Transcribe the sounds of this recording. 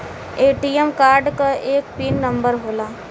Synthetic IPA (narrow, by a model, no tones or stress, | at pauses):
eːʈiemkaːɾɖkaʔeːkpiːnːə̃mbəɾɦoːlaː